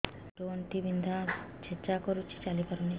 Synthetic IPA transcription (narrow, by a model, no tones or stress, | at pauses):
ʈonʈibind̪ʱa | t͡ʃʰet͡ʃakoɾut͡ʃʰi̥t͡ʃalipaɾoni